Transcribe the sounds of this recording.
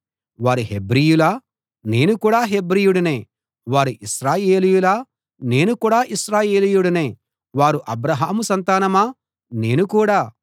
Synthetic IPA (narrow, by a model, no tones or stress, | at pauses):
ʋaːɾuɦe̞bɾijulaː | ne̞ːnukuːɽaːɦe̞bɾijuɽune̞ː | ʋaːɾuʔiʃɾaːje̞ːlijulaː | ne̞ːnukuːɽaːʔisɾaːje̞ːlijuɽune̞ː | ʋaːɾuʔɐbɾɐɦaːmusɐnt̪aːnɐmaː | ne̞ːnukuːɽaː